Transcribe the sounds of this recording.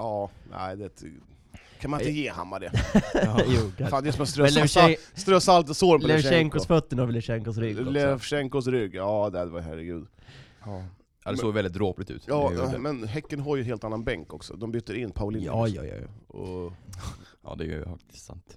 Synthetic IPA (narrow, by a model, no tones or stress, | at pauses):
ɑːnʔæ̰ɪd̪ɛt̪ | kʰanmant̪əjeːha̰mːad̪ɛ | juːfaːnd̪ɛsɔmɛst̪ɾœɛsast̪ɾœsalt̪ɔsoːɾɔmplɔɛʃɛŋkɔsfœt̪ːənavɪlːɛʂɛŋkɔs̬ɾʏɡlɛʂɛŋkɔs̬ɾʏɡːɑːd̪ɛd̪ɛvajɦæ̰ɾɛɡʉ̟ːd̪ | d̪ɛsoːɡvɛldɪt̪̚d̪ɾoːplɪt̪ʉ̟ːt̪jɑːmɛnɦɛkːənɦaɾjəɦeːlt̪anːanbɛŋkɔksɔ̰d̪ɔmbyt̪ːəɾɪnːpʰaʊlɪnːɔ̰j̰j̰ɔ̰ | ɑ̰ːd̪ɛ̰j̰jfa̰k̚t̪ɪst̪sa̰nt̪